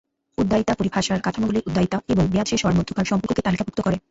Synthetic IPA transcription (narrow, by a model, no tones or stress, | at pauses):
ud̪ːait̪apoɾipʰaʃaɾkat̪ʰanoɡuleʔud̪ʱːait̪aeboŋbead̪ʃeʃɔaɾmod̪ʱːokʰaɾʃɔmpoɾkʰoket̪alikabukt̪okɔɾe